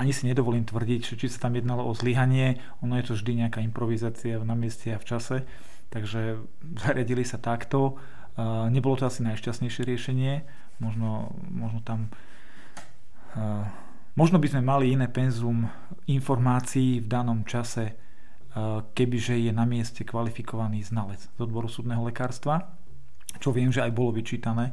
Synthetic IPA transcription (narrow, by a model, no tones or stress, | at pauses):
aɲisiɲɛd̪ɔʋɔliːmt̪ʋr̩ɟiɟʒ̥ɛt͡ʃisḁt̪amjɛd̪nalɔʔɔzliɦaɲɪɛ | ɔnɔjɛt̪ɔvʒd̪iɲɛakaːimpɾɔʋizaːt͡sianamɪɛscɛaft͡ʃasɛ | t̪aɡʒɛ | zaɾɪaɟilisat̪akt̪ɔ | ɲɛbɔlɔt̪ɔasinajʃcast̪ɲɛjʃɪɛɾɪɛʃɛɲɪɛ | mɔʒnɔ | mɔʒnɔt̪am | mɔʒnɔbizmɛmaliinɛːpɛnzum | infɔɾmaːt͡siːvd̪anɔmt͡ʃasɛ | kɛbiʒɛjɛnamɪɛscɛkʋalifikɔʋaniːznalɛd͡zz̥ɔd̪̚bɔɾusuːd̪nɛːɦɔlɛkaːɾst̪ʋa | t͡ʃɔʋɪɛmʒɛajbɔlɔʋit͡ʃiːt̪anɛː